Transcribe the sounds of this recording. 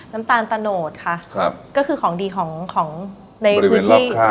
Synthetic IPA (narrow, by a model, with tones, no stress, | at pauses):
na˦˥mt̪aː˧nt̪a˧noː˨˩t̪̚kʰa˥˩a˧˩kɔː˥˩kɯː˧kʰɔː˩˦ŋdiː˧kʰɔː˩˦ŋkʰɔː˩˦ŋ | na˧jʰi˦˨˦a˧